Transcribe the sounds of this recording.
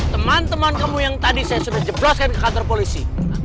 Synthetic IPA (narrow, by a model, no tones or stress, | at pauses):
t̪əmant̪əmankamujaŋt̪adisajasudahd͡ʒəblɔskankəkant̪ɔrpolisi